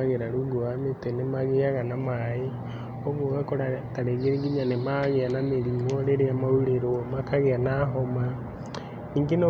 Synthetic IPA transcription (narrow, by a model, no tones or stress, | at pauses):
aɣeɾaɾuɡoametenemaɣeaɣanamae | oɣoɣakɔɾataɾeɣeɾeɡiɲanemaɣeanameɾimɔɾeɾeamauɾeɾomakaɣeanaɦɔma | niːŋɡeno